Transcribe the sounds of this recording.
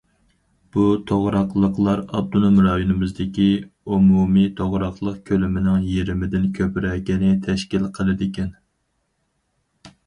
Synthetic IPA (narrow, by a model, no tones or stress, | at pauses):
b̥ut̪ʰoʁɾɑqlˠəqlˠɑɾɑ̰b̚d̪unumɾɑːjunɨmɪzd̪ɪkʲiumumit̪ʰoʁɾɑqlˠəqkʲʰølɪmɪnɪŋjeɾɪmɪd̪ɪnkʲʰøpɪɾɛːkʲɛnɪt̪ʰɛʃkʲilqʰəlˠɨd̪ɪkʲɛn